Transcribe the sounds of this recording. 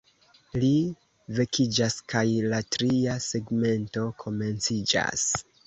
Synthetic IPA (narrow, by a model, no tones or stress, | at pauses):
li | ve̞kʰid͡ʒaskajlatɾiase̞ɡme̞nto̞kʰo̞me̞nt͡sid͡ʒa̰s